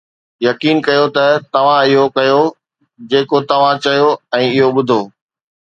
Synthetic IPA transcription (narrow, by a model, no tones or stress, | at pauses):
jɐkiːnkɐjot̪ɐt̪ɐʋ̤ãɪɦokɐjo | d͡ʑeːkot̪ɐʋ̤ãt͡ɕɐjoɛ̃ːɪɦoɓʊd̪ʱoː